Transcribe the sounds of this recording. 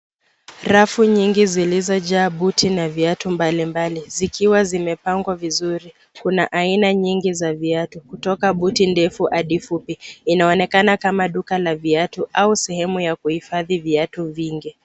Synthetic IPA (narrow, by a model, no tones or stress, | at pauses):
ɾafuɲiŋɡizilizɔʄaːɓutʰinaviatumbalimbalizikʰiwazimɛpaŋɡwavizuɾi | kuna̰ʔainaɲiŋɡizaviatukutɔkaɓutindɛfuʔaɗifupiinaɔnɛkanakamaɗukalaviatuʔausɛhɛmujakuhifaðiviatuviŋɡi